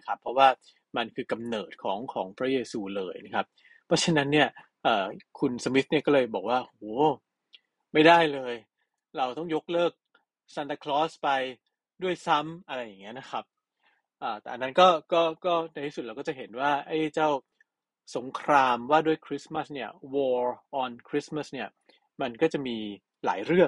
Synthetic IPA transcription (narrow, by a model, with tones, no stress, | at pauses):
kʰa˦˥pʰɾɔ˦˥waː˥˩ | ma˧nkʰɯː˧ka˧mnɤː˨˩t̪̚kʰɔː˩˦ŋkʰɔː˩˦ŋpʰɾa˦˥jeː˧suː˧lɤː˧jna˦˥kʰa˦˥p̚ʰː | ɾɔ˦˥t͡ɕʰa˧na˦˥nːi˥˩ɐ | ʔɤː˨˩kʰu˧nsa˧mi˦˥t̪̚ni˥˩kɔː˥˩lɤː˧jbɔː˨˩k̚waː˥˩hoː˩˦ | ma˥˩jdaː˥˩jlɤː˧j | ɾa˧wt̪ɔ˥˩ŋjo˦˥k̚lɤː˥˩k̚ | sa˧nt̪a˧kʰlɔː˦˥spa˧j | du˥˩əjsa˦˥mʔa˧ɾa˧jːa˨˩ŋːi˦˥ɐna˦˥kʰa˦˥p̚ | ʔaː˨˩t̪ɛ̰˨˩ʔa˧nːa˦˥nkɔː˥˩kɔː˥˩kɔː˥˩na˧jt̪ʰiː˥su˨˩ɾa˧wkɔ˥˩t͡ɕa˨˩ɦe˩˦nwaː˥˩ʔa˦˥˩jt͡ɕaː˥˩w | so˩˦ŋkʰɾaː˧mwaː˥˩du˥˩əjkʰɾi˦˥sma˥˩sni˥˩ɐwɔː˧ʔɔː˧nkʰɾi˦˥sma˥˩sni˥˩ɐ | ma˧nkɔː˥˩t͡ɕa˨˩miː˧ | la̰ː˩˦jɾɯ˥˩əŋ̚